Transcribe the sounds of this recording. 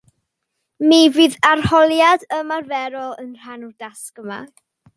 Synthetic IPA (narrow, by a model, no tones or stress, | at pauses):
miviːðarhɔlˠjadəmarvɛɾɔlˠənr̥anudaskəma̰